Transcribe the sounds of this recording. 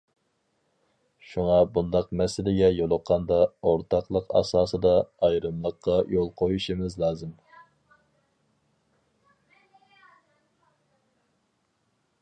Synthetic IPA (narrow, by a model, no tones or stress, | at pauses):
ʃuŋɑbund̪ɑqmɛsɪlɪɡʲɛjolˠʊqʰːɑnd̪ɑoɾt̪ʰɑqlˠəqɑ̰sɑːsɨd̪ɑɑjɾɨmlˠəqʰːɑjolˠqʰojuʃimɪzlˠɑːzɨm